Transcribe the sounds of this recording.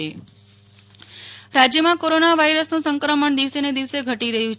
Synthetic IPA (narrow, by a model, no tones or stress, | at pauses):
e | ɾad͡ʒjəmãkoɾonaʋaiɾəsnũsəŋkɾəməɳd̪iʋsened̪iʋseɡʱəʈiɾəɦjũt͡ʃ